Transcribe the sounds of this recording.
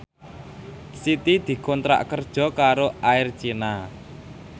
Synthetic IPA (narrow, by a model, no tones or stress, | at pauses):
sit̪id̪̥i̤kɔnt̪ɾa̰ʔkərd̥ʒ̥ɔ̤kaɾoaɪrt͡ʃina